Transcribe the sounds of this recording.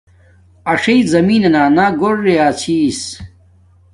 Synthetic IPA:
ɐʂɐizɐmiːnɐnaːnaɡoɽːejaːt͡ɕʰis

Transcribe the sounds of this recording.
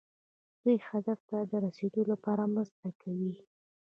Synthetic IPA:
d̪̥ujxad̪aft̪ad̪əɾased̪olapɑɾamɾəzt̪akʰawi

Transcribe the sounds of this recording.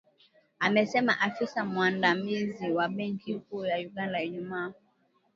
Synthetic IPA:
amɛsɛmaʔafisamwandamiziwaɓɛŋkikuːjajuɡandaiɲuma

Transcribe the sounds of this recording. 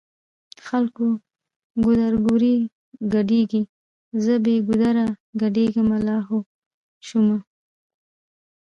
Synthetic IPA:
xalko | ɡʊd̪aɾɡuɾi | ɡaɖeɡi | zəbeɡʊd̪aɾaɡaɖeɡəmalɑɦo | ʃuma

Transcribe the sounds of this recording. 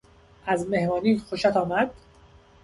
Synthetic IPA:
ʔæzme̞hmɒːniːxoʃæt̪ʰɒːmæd̪̥

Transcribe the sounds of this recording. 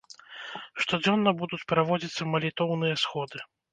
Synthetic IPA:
ʂt̪ɔd͡zʲɔnːɐbud̪ut͡sʲpɾavɔd͡zʲit̪sːɐmɐlʲit̪ɔwnɨjɐsxɔd̪ɨ

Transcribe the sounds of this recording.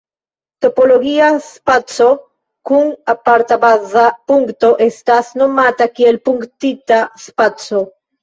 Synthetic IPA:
t̪opoloɣiaspat͡so | kuŋapaɾt̪abazapuŋkt̪oʔest̪asnomat̪akielpuŋkt̪it̪aspat͡so

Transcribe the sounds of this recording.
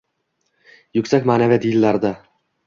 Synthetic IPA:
jʊkʲsakʲmaːnavad̪ilːaɾd̪a

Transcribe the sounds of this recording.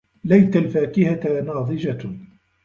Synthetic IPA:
lajt̪alfaːkɪhat̪nɑːðˤɨd͡ʒa

